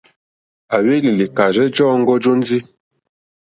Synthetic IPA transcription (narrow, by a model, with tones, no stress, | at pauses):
a˨we˦li˨li˨ka˨d͡ʒɛ˦d͡ʒɔː˦ŋ̩˦ɡɔ˦d͡ʒo˦n˦d͡zi˦